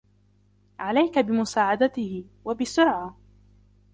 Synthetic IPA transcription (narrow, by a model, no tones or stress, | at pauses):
ʕalajkabɪmʊsaːʕad̪at̪ɪhɪ | wabɪsʊɾʕa